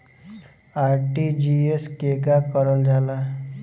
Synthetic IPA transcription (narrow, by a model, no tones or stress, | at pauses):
aɾʈid͡ʑieskeɡakɔɾɔnd͡zala